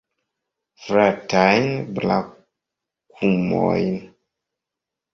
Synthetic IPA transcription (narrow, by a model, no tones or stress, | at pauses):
vɾatajnbla̰ | kʰumɔ̰jn